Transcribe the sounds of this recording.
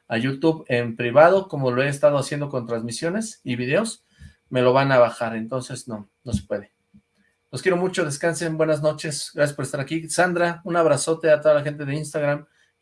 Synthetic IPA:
aʝut̪uβe̞mpɾiβað̞o̞ko̞mo̞loe̞ːst̪að̞oasje̞nd̪o̞ko̞nt̪ɾanzmisjo̞ne̞siβiðe̞os | me̞lo̞βanaβaxaɾe̞nt̪o̞nse̞sno̞no̞sepwe̞ðe̞ | lo̞skje̞ɾo̞mut͡ʃo̞ðe̞skansebwe̞nazno̞t͡ʃe̞sɣɾasjaspo̞ɾest̪aɾakisand̪ɾaunaβɾaso̞t̪e̞at̪o̞ðalaxe̞nt̪e̞ðe̞inst̪aɣɾam

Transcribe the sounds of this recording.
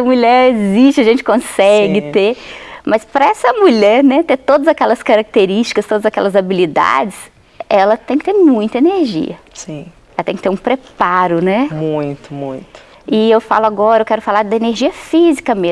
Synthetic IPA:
ɐmuʎɛɾezist͡ʃɪɐʒẽnt͡ʃɪ̥kõsɛɡɪt̪emɐspɾɐɛsɐmuʎɛɾnɛt̪et̪od̪ɐzakɛlɐskaɾak̚t̪eɾiʃt͡ʃi̥kɐst̪od̪ɐzakɛ̰lɐzabilid̪a̰d͡ʒɪs | ɛlɐt̪ẽj̃kɪ̥t̪eɾmũj̃t̪ɐeneɾʒḭɐsĩ | ɛlɐt̪ẽj̃kɪt̪eɾũpɾepaɾʊnɛmũj̃t̪ʊmũj̃t̪ʊ̥ | ɪewfa̰lʊaɡɔɾɐewkɛɾʊfalaɾd̪ɐeneɾʒiɐfizikɐme

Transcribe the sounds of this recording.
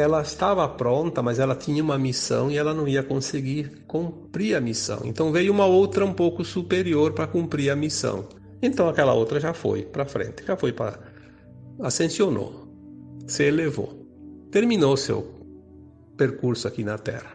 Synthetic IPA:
ɛlɐest̪avɐpɾõnt̪ɐmazɛlɐt̪ĩɲɐũmɐmisɐ̰̃w̃iɛlɐnɐ̃w̃iɐkõseɡiɾkõmpɾiɾɐmisɐ̰̃w̃ḛ̃nt̪ɐ̃w̃vejʊũmɐowt̪ɾɐũmpowkʊsupeɾioɾpɾɐkũmpɾiɾɐmisɐ̰̃w̃ | ẽnt̪ɐ̃w̃akɛlɐ̰owt̪ɾɐʒafo̰jpɾɐfɾḛ̃nt̪ɪ̥ʒ̥afojpɾɐ̰ | asẽnsjono̰ | sɪlevo̰t̪eɾmĩnosḛw | peɾkuɾsʊakinɐt̪ɛ̰ɾɐ

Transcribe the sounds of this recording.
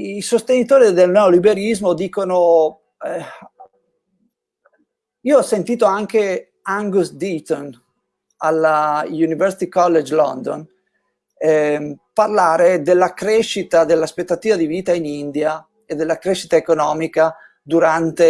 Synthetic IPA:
isost̪enit̪oːɾid̪elnɛolibeɾizmod̪iːkono | iːoɔsːent̪iːt̪oaŋke | aŋɡusd̪it̪on | alːajunivɛɾsit̪ikɔlːed͡ʒlɔ̰nd̪o̰n | ɛparlaːɾed̪elːakɾeʃːit̪ad̪elːaspet̪ːat̪iːvad̪iviːt̪ainind̪ja | ed̪ːelːakɾeʃːit̪aekonɔːmika | d̪uɾant̪e

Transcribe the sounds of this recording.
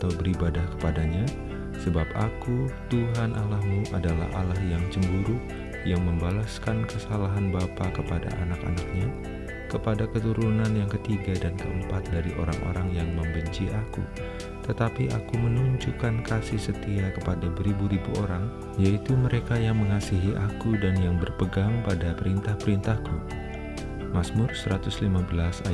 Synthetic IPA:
at̪awbəɾibadahkə̥padaɲa | səbapakut̪uɦanʔalahmuʔadala̰ha̰lahjaŋt͡ʃəmbuɾu | jaŋməmbalaskankəsalaɦanbapakəpada̰ʔanaka̰nak̚ɲa | kəpadakət̪uɾunanjaŋkət̪iɡadankəəmpat̪̚daɾiʔo̰ɾaŋʔo̰ɾaŋjaŋməmbəɲt͡ʃiʔakṵ | t̪ət̪apiʔakumənuɲd͡ʒukankasɪhsət̪iakəpadabɾibuɾibuʔoɾaŋ | jait̪uməɾekajaŋməŋasiɦiʔakudanjaŋbərpəɡaŋpadapəɾint̪ahpəɾint̪ahku | masmʊrsəɾat̪ʊslimabəlasa

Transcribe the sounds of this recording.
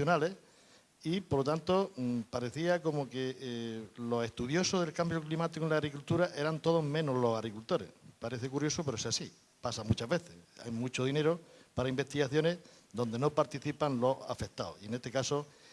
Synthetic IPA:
onale̞ | ipoɾlot̪ant̪o̞paɾe̞θiako̞moke | lo̞se̞ht̪uðjo̞soðe̞lkambjoklimat̪ikoenlaɣɾikult̪uɾaʔe̞ɾant̪o̞ð̞o̞ɦmẽnolo̞ɦaɣɾikult̪o̞ɾe̞̰hpaɾe̞θekuɾjo̞sopeɾoesasi | pasamut͡ʃaɦβe̞θḛa̰jmut͡ʃoð̞ine̞ɾopaɾaimbe̞ht̪iɣaθjo̞ne̞ | d̪o̞nd̪e̞no̞paɾt̪iθipanlo̞sa̰fe̞kt̪a̰o̰ienet̪e̞kaso

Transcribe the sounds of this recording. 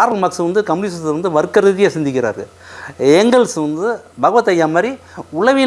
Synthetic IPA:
ɾɐlmɐksɯʋɐnd̪ɯkɐmniːsɐsʋɐnd̪ɯʋɐɾɯkːɐɾɐðɪjesɪnd̪ɪkːɪɾa̰ːɾɣɐɭ | ɛŋɡɐɭsʋɐnd̪ɯbɐɣɐʋɐt̪ːɐjːaːmɐːɾi | ʊɭɐʋɪ

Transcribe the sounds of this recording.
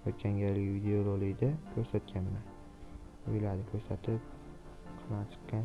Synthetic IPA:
ot̪̚d͡ʒʲaŋɡʲalɪkʲvid̪eolˠolˠɪd̪akʲʰɵɾsat̪̚kʲʰanman | ʊjlaɾd̪ɪkʲʰɵɾsat̪ʰɪp̚ | qʰɨmat͡ʃʰɨ̥qːɑn

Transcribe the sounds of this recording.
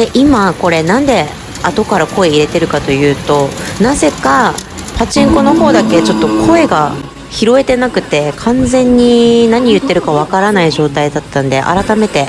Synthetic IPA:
d̪eʔimako̞ɾe̞nãnd̪e̞ | at̪o̞kaɾako̞e̞iɾe̞t̪e̞ɾɯ̟kat̪o̞jɯ̟ːt̪o̞naze̞ka | pʰat͡ɕĩŋko̞no̞ɦo̞ːd̪ake̞t͡ɕo̞t̪ːo̞kʰo̞e̞ɡa | çiɾo̞e̞t̪e̞nakɯ̟t̪e̞kʰãnzẽ̞ɲ̟ːinaɲ̟ijɯ̟t̪ːe̞ɾɯ̟kaβ̞akaɾanaiʑo̞ːt̪aid̪at̪ːãnd̪e̞̰ʔa̰ɾat̪ame̞t̪e̞

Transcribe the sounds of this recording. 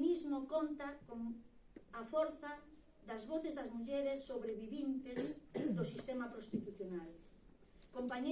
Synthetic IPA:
nizmokɔnt̪akoŋ | afɔɾθa | ðɐzβoθezðɐzmuʎɛɾesːoβɾeβiβint̪ezd̪osist̪emapɾost̪it̪uθjonal | kompaɲe

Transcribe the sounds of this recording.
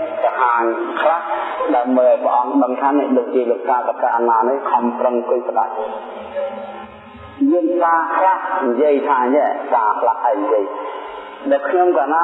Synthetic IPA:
kaɦaːŋkʰlahɗaəmɓəjʔaɔjpə̆ʔɑŋɗəŋt̪ʰaːnɛ̆əʔɗoːk̚t͡ɕiəloəkaːpakaʔanaːnihkʰɑmprəŋkʊjpəɗat̚ | ɲiəŋt̪aːkʰlahɲjiəjt̪ʰaːɲjɛt̪aːkʰlahʔaɛɲjiəj | ɗakʰɲomkaːnaː

